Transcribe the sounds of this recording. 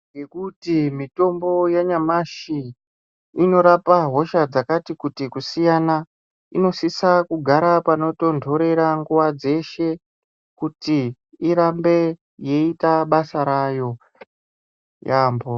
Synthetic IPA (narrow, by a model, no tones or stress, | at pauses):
ŋɡe̞kutimito̞mbo̞jaɲamaʃi | ino̞ɾapaɦo̞ʃad͡zakatikutikusijana | ino̞sisakuɡʱaɾapano̞to̞ndʱo̞ɾe̞ɾaŋɡuʋad͡ze̞ʃe̞ | kuti | iɾambe̞ | je̞itaɓasaɾajo̞ | jaːmbo